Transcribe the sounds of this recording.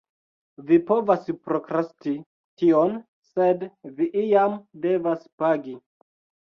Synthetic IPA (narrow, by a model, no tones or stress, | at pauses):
vipo̞vaspɾokɾasti | tion | se̞dviʔijamde̞vaspaɡi